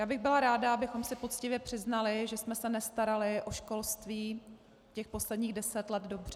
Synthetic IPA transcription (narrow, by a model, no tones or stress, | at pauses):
jaːbɪɣbɪlaɾaːdaabɪxo̞msɪpo̞t̪t͡scɪvjɛpr̝̥ɪznalɪʒɛsmɛsɛnɛst̪aɾalɪʔoʃko̞lst̪viː | cɛxpo̞slɛdɲiːɣdɛsɛt̪lɛd̪do̞br̝̥ɛ